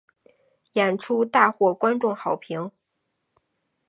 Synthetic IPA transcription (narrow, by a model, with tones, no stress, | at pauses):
jɛ˨˩nʈ͡ʂʰu˥t̪a˥˧xwɔ˥˩kwa˥nʈ͡ʂʊ˥˩ŋxɑ˨˩ʊpʰi˧˥ŋ